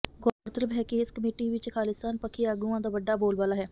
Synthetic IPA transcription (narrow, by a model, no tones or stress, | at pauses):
ɡɔːɾt̪əɾəbɦɛːkɪɪskəmeːʈiːʋɪt͡ʃkʰaːlɪst̪aːnpəkʰiːaːɡuːãːd̪aːʋəɖːaːboːlbaːlaːɦɛː